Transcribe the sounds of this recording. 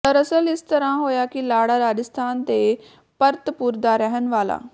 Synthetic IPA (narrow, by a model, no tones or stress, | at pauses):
t̪əɾəsəlɪst̪əɾãːɦoːjaːkɪlaːɽaːɾaːd͡ʒəst̪ʰaːnt̪eː | pəɾt̪pʊɾd̪aːɾɛɦənʋaːla̰ː